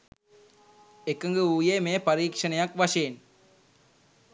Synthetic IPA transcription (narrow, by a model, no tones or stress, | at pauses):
ɛkːɐŋɡɯujeːmeːpɐɾiːkʂɐnɐjak̚ʋɐʃeːn